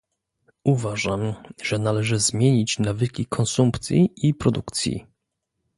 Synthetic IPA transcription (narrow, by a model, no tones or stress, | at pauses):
uvaʐamʐ̥ɛnalɛʐɘzmʲjeɲit͡ɕnavɘkʲikʰɔnsumpt̪sʲjiʔipɾɔd̪ukt̪sʲjḭ